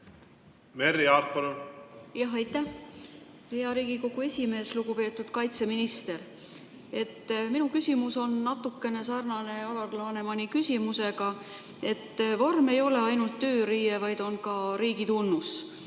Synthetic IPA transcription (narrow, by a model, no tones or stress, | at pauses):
meɾiɑɾt̪̚pɑlujɑɦejt̪ːˑæh | pejɑɾiːɡ̥iko̞ɡ̥ue̞sʲime̞ːsluɡ̥upe̞ːt̪ːˑud̪̥kɑjt̪se̞minist̪e̞ɾ | e̞t̪ːminukysʲimuso̞nːɑt̪ːˑukːe̞ne̞sɑrnɑne̞ɑlɑdlɑne̞mɑnikysʲimuse̞ɡ̥ɑ | e̞t̪ːvo̞rme̞jo̞le̞ɑjnult̪ːø̞ːɾiːevɑjd̪̥o̞nkɑɾiːɡit̪unːus